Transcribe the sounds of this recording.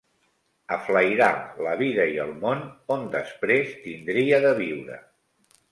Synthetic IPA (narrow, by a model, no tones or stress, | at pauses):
əfləjɾaləβiðəiəlˠmonond̪əspɾest̪ind̪ɾiəðəβ̞iwɾə̰